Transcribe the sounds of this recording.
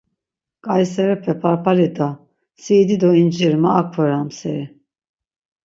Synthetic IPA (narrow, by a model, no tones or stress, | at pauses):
kʼajsɛɾɛpʰɛpʰaɾpʰalid̪a | siːd̪id̪ɔind͡ʒiɾmaːkʰvɛɾamsɛ̰ɾi